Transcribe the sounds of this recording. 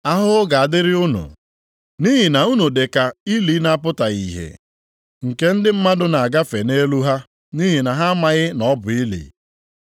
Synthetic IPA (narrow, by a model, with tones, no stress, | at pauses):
a˦ɦʊ˦ɡa˨a˨dɪ˦ɾɪ˦ʊ˦nʊ̰˨ | ni˦ɦi˨na˨u˦nu˨de˨ka˨i˦li˨˦na˦pʊ˦ta˨ḭ˨ɦḛ˨ | ŋ̩˨ke˦n̩˦dɪ˦m̩˦ma˦dʊ˦na˨ɡa˦fe˨ne˦lu˦ɦa˦ | ni˦ɦi˨na˨ɦa˦ma˨ɣɪ˦nɔ˦bʊ˨i˦lḭ˨